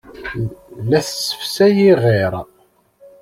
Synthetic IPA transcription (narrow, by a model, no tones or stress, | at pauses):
læθsə̥fsæjiʁeɾˤ